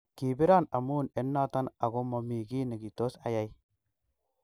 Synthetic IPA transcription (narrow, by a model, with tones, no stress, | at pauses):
ki˨bi˦ɾa˦na˨mu˦ne˨˦nːa˦ta˦na˨ɡo˦ma˨mi˨ɡi˦ni˨ɡi˨to˦sa˨ja˨˦j